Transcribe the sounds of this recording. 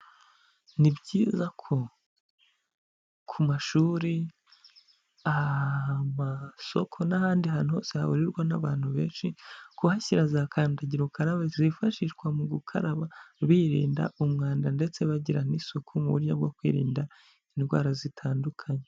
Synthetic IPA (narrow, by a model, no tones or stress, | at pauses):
nibɟiːzakʰo̞ | kʰumaʃuːɾi | a | maso̞kʰonahaːndihaːnuho̞̰se̞ha̰βuɾiɾɡwanaβaːn̥huβe̞ːnʃikuhaçiɾazakʰaːndaɟiɾukaɾaβezifaʃiʃɡwamuɡukʰa̰ɾaβaβiɾḭːnda̰ʔumŋaːndande̞t͡se̞βaɟiɾanisokʰomuβuɾɟabɡokwḭːɾḭːnda | inɡwa̰ːɾazitʰaːndukʰaɲe